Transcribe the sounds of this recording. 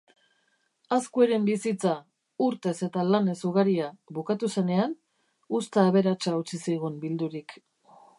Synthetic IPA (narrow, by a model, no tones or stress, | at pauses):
askueɾe̞mbisit͡sa | uɾt̪e̞se̞t̪alane̞suɣaɾiaβukat̪use̞ne̞an | ust̪aːβe̞ɾat͡ʃaut͡sisiɣ̞umbild̪uɾik